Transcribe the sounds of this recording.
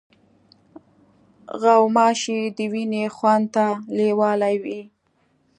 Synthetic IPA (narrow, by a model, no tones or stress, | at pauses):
ɣawmɑʃid̪əwinexwand̪t̪alewɑlajwi